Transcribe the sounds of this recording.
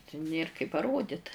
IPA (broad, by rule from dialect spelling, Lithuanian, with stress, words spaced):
tʲɪ ˈnʲeːr kɐɪ pɐˈroːdʲɪt